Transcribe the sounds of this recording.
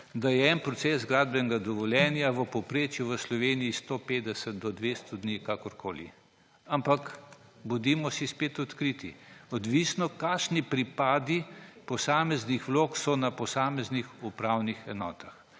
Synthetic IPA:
d̪ajɛɛnpɾɔsɛzɡɾaːd̪bɛnɛɡad̪ɔʋɔljɛnjaʋəpɔpɾeːt͡ʃjuʋəslɔʋeːniːst̪opeːd̪ɛsɛt̪̚d̪ɔd̪ʋest̪ɔd̪nikakɔɾkʰoːlḭ | ampak | bɔd̪imɔsispeːt̪ɔt̪kɾit̪iɔd̪ʋisnɔkaʃnipɾipaːd̪ipɔsaːmɛznixʋloːksɔnapɔsaːmɛznixupɾawnixɛnɔ̰ːt̪ax

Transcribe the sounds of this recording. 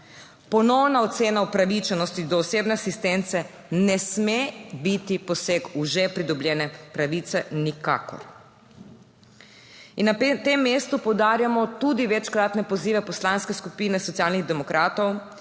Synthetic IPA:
pɔnɔwnaɔt̪seːnaupɾaʋit͡ʃɛnɔst̪id̪ɔːseːbnɛasist̪ent̪sɛ | nɛsmebit̪ipɔsekuʒɛpɾid̪ɔblʲjɛːnɛpɾaʋiːt̪sɛnika̰ːkɔ̰ɾ | inːat̪emːeːst̪upɔwd̪aːɾjamɔt̪ud̪iʋɛt͡ʃkɾaːt̪nɛpɔziːʋɛpɔslaːnskɛskupiːnɛsɔt̪sijalniɣd̪ɛmɔkɾʔaːt̪ɔw

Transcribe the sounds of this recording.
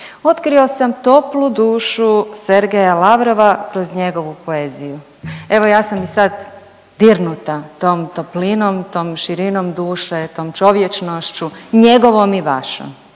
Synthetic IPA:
o̞t̪kɾio̞samt̪o̞plud̪uːʃuse̞ɾɡejalaʋɾo̞ʋakɾo̞zɲe̞ɡo̞ʋupo̞eːziju | e̞ʋo̞jaːsamisad̪ | d̪iɾnut̪at̪oːmt̪oplino̞mt̪oːmʃiɾinomd̪uːʃet̪o̞ːmt͡ʃo̞ʋjet͡ʃnoʃt͡ɕuɲe̞ɡo̞ʋomiʋa̰ʃo̰m

